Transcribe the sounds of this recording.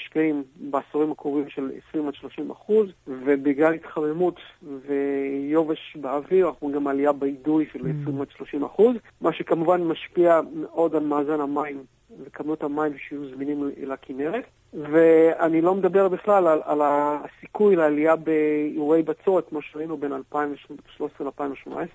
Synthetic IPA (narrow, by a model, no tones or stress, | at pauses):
iʃkaimbeasoʁimakʁovimʃe̞lḛsʁimotʃlo̞ʃima̰χuzvebiɡlalitχamemutvejo̞veʃbeaviʁaχuimɡamaliabeidujʃelesʁimotʃlo̞ʃimaχuz | maʃekamuvanmaʃpiameʔo̞dalmaːzanamaim | lekabnuthamaimʃejuzminimlakʰineʁet | veanilo̞med̪abe̞ʁbiχlalala̰lasikujleːliabeiuʁejbat͡sotmaʃeʁainube̞nalpaimvʃʃloesʁealpaimoʃmona̰es